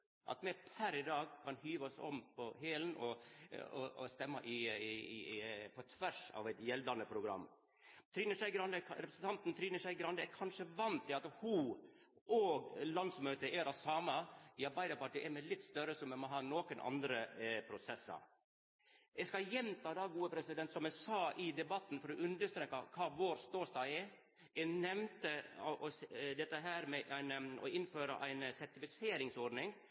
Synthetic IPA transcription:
ʔɑ̰t̪mɛpʰæɾɪd̪ɑːɡkʰɑnhyːʋɔsɔ̰mpʰɔheːlənɔɔ̰st̪ɛmːɑʔɪ | fɔt̪ʰʋæʂɑ̰ːʋɛɪt̪jɛld̪ɑnəpʰɾʊɡɾɑ̰mː | t̪ʰɾiːnəʂæɪɡɾɑnd̪əɾɛpɾəsn̩t̪ɑnt̪n̩t̪ʰɾiːnəʂɛɪɡɾɑnd̪əɛkʰɑnʂəʋɑnt̪ʰɪɑt̪hu | ʔoːɡlɑnsmøːt̪əʔɛɾɑsɑːmɑɪɑɾbæɪd̪ɑpɑʈʰiːʔɛɾmɛlɪt̪ːst̪œɾəsɔmɛmɔɦɑːnoːkənʔɑ̰nd̪ɾəpʰɾʊsɛsːɑ̰ɾ | ɛskɑjɛmt̪ʰɑːd̪ɑːɡuːəpʰɾɛsɪd̪ɛnt̪sɔmɛsɑːʔɪd̪ɛbɑt̪ːn̩fɔɾɔʔʉnd̪əʂt̪ɾeːkːɑkʰɑːʋoːɾst̪oːst̪ɑːɡɛ | ɛnɛʋnt̪əɔʔɔsd̪ɛt̪ːəɦæːɾmɛʔæɪnɔ̰ɪnføːɾɑ̰ʔæɪnsɛɾʈɪfɪseːɾɪŋsɔɖnɪŋ

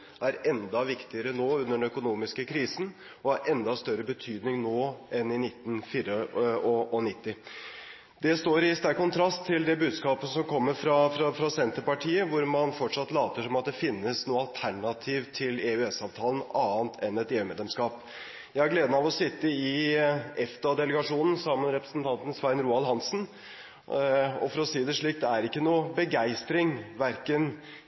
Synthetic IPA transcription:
ʔæɾɛnd̪ɑʋɪkt̪ɪəɾənoːʉnːəɖɛnœkʊnuːmɪskəkʰɾiːsn̩ | ɔhɑɾɛnd̪ɑst̪œɾəbət̪ʰyːd̪nɪŋnoːʔɛnɪnɪt̪ːn̩fiːɾəɔɔnɪt̪ːɪ | d̪ɛst̪oːɾɪst̪æɾkːʊnt̪ʰɾɑst̪ʰːɪld̪ɛbʉːd̪skɑːpəsɔmkʰɔmːəɾfɾɑfɾɑfɑsɛnt̪əɾpɑʈʰiːəʋʊɾmɑnfɔʈʂɑt̪ːlɑːt̪əʂɔmɑt̪̚d̪ɛfɪnːəsnuːəɑlt̪ʰæɳɑt̪ʰiːʋt̪ʰɪleːʉɛsɑːʋt̪ʰɑːlən̩ɑːənt̪ʰɛnɛt̪eːʉmeːd̪lɛmskɑːp | jæɪhæɾɡleːd̪ənɑʋɔsɪt̪ːəɪɛfd̪ɑd̪ɛləɡɑʂuːnən̩sɑmːənɾɛpɾə̥sn̩t̪ʰɑnt̪n̩sʋæɾənɾuːɑlɦɑnsn̩ | ɔ̰fɔɾɔsiːd̪ɛʂɭiːk̚d̪ɛæɾɪkːənuːbəɡæɪst̪ɾɪŋʋæɾkən

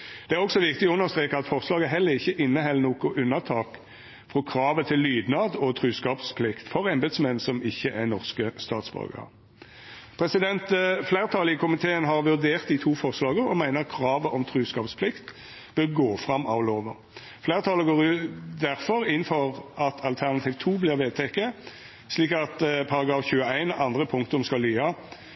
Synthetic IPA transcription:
d̪̥ɛæʁɔksɔʋɪkt̪ɪɔʉnːəʁst̪ʁeːkəɑt̪fɔʁslɑːɡəɦɛlːəʁɪçːəʔɪnːəhɛlənoːkʊʔʉnːəʁt̪ʰɑːk | fʁɔkʰɾɑːʋət̪ʰɪlːyːd̪nɑːd̪ɔt̪ʰɾʉːskɑːpspʰlɪkt̪fɔʁɛmbed̪smɛnsɔmɪçːəʔæʁnɔʁskəst̪ɑ̰ːt̪sbœ̰lɡɑ̰ʁ | pʰɾɛsɪd̪ɛnt̪flæɪʁət̪ʰɑːlɪəkʰʊmɪt̪ʰeːənɦɑʁʋʉʁd̪eːʁt̪̚d̪iːt̪ʰuːfɔʁslɑːɡəɾɔmæɪnəʁkʰʁɑːʋəʔɔmt̪ʰɾʉːskɑːpspʰlɪkt̪ | b̥œʁɡoːfʁɑmɑ̰ʋloːʋə | flæɪʁət̪ʰɑːləɡoːʁʉːt̪d̪æʁfɔɾɪn̩fɔʁɑt̪ʰɑlt̪ʰæʁnɑt̪ʰiːʋt̪ʰuːblɪːʁʋeːd̪̚t̪ʰɛkːə | sliːkɑt̪pʰɑʁɑɡɾɑːfçʉːəæɪnɑnd̪ʁəpʰʊŋkt̪ʊmskɑlːyːɑ

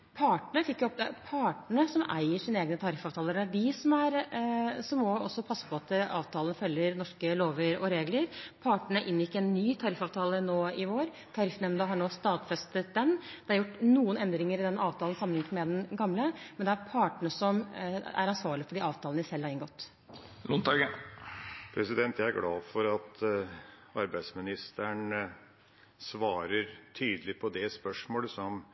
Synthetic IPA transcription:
pʰɑːʈɳəfɪkːjʊɔp̚d̪ɛæɾpʰɑːʈɳəsɔmæ̰ɪəʂiːneːɡənət̪ʰɑɾɪfɑːʋt̪ʰɑːləɖæʋɪsɔmæɾ | sɔmːɔɔsːɔpʰɑsːə̥pʰɔɑt̪̚d̪əɑ̰ːʋt̪ʰɑːlənfœljːəɾnɔʂkəloːʋəɾɔɾeːɡləɾpʰɑːʈɳəʔɪnʋjɪkːɛnːyːt̪ʰɑɾɪfɑːʋt̪ʰɑːlənoːɪʋoːɾ | t̪ʰɑɾɪfnɛmnd̪əɦɑɳoːst̪ɑːd̪fɛst̪ət̪̚d̪ɛnd̪̥ɛhɑɾjʊʈːnuːənɛnd̪ɾɪŋəɾɪd̪ɛnʔɑːʋt̪ʰɑːl̩sɑmənɪŋət̪mɛd̪ɛnɡɑmləmɛnd̪ɛæɾpʰɑːʈəɳəsɔmæ̰ɾɑnsʋɑːɾɭɪəfɔɖiɑːʋt̪ʰɑːlnɪsɛlːhɑɾɪnŋɡɔt̪ː | lʊnt̪ɑɡə | pʰɾɛsɪd̪ɛnt̪jæɪæɾɡlɑːfɔɾɑt̪ | ɑɾbæɪd̪smɪnɪst̪əɳ | sʋɑːɾəɾt̪ʰyːd̪əlɪpʰɔd̪ɛspœʂmoːləsɔm

